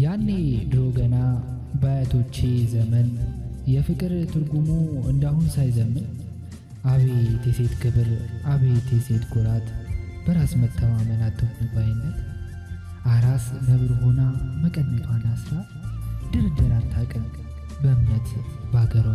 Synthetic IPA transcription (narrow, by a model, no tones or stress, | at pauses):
janːed̪ɨɾo̞ɡəna | bajat̪ʰo̞t͡ʃːezəmənjɛfɨkʼɨɾt̪ʰɨɾɡumoɨnd̪ahunsajzəmːən | ʔaβet̪ʰeset̪kɨβɨɾaβet̪ʰeset̪ɡoɾat̪b̥əɾasmət̪ʰːəmamənat̪ʰːəmibajɛnːə | ʔaɾaszəβɾho̞naməkʼənːət̪ʰanasɨɾa | d̪ɨɾɨd̪əɾant̪ʰakʼən | bəɨmnət̪baɡəɾo